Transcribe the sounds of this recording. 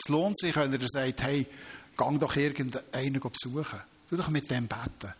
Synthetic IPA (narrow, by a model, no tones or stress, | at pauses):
sloːntsɪχʋɛnəɾdəsɛɪthɛɪɡ̥ɑŋdɔχɪɾɡəndəɛɪnəɡ̥opsuəχə | d̥uːd̥ɔχmɪt̚d̥ɛmbætə